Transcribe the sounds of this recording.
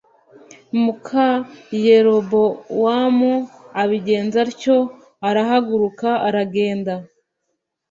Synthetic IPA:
mukʰaje̞ɾo̞bo̞waːmuaβiɟe̞ːnzaɾco̞ | aɾaɦaɡuɾukaaɾaɡe̞ːnda

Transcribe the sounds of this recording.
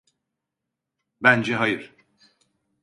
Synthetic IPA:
bænd͡ʒeɦɑjɯɾ

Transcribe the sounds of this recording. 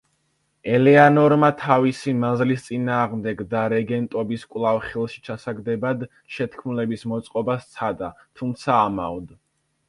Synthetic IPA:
ɛlɛanɔɾmat̪ʰavisimazlist̪sʼinaːʁmd̪ɛɡd̪aɾɛɡɛnt̪ʼɔbiskʼwlˠavχilˠʃi̥t͡ʃʰasaɡd̪ɛbad̪ | ʃɛt̪ʰkʰmulɛbismɔt̪sʼqʼɔbast̪sʰad̪at̪ʰumt̪sʰaːma̰vd̪

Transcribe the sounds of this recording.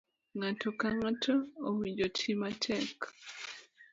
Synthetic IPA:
ŋatʰɔkaŋatʰɔːwiɲd͡ʒotʰimatʰɛk

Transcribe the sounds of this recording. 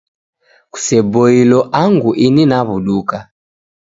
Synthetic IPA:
ku̥sɛbɔilɔʔaŋɡuʔininaβuɗuka

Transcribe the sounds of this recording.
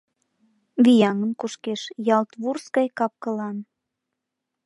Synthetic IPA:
βijɑŋənkuʃkeʃjɑlt̪βurskɑjkɑp̚kə̆lɑn

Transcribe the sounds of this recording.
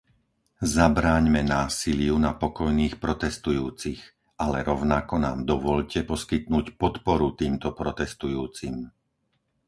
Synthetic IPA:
zabɾaːɲmɛnaːsilɪunapɔkɔjniːxpɾɔt̪ɛst̪ujuːt͡six | ʔalɛɾɔʊnakɔna̰ːmd̪ɔʋɔʎcɛpɔskit̪nuːcpɔt̪pɔɾut̪iːmt̪ɔpɾɔt̪ɛst̪ujuːt͡sim

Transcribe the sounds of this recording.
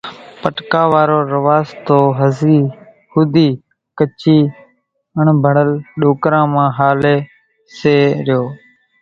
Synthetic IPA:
pəʈkaːʋaːɾoːɾəʋaːzt̪oːɦəziː | huːd̪iː | kət͡ʃiː | əɳbʱəɳəlɗoːkɾãːmãːɦaːleː | seːɾɪjoː

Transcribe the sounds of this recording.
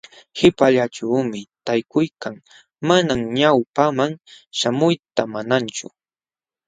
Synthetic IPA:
hɪpaʎaʈ͡ʂawmɪt̪ajkʊjkaŋ | manamɲawpamaŋ | ʃamʊjt̪amanant͡ʃʊ̰

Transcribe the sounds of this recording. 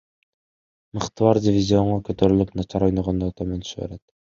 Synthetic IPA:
mɯqt̪ɯwɑɾdʲɪvʲizʲio̞ɴɑkøt̪øɾylypnɑt͡ʃʰɑɾo̞jnoʁond̪oːt̪ɑment̪ʰy̥ʃβḛɾet̪

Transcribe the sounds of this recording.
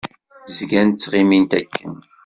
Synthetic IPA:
zɡænt̪t͡sːʁimint̪ækʰːən

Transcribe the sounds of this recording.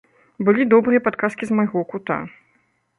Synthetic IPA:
bɨlʲid̪ɔbɾɨjɐpat̪kaskʲizmajɣɔkut̪a̰

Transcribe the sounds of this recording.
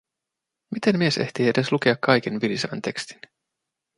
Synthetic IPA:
mit̪emmie̞se̞ht̪iede̞sluk̟eɑkːɑjk̟enʋiljiseʋæ̰nt̪e̞kst̪i̥n

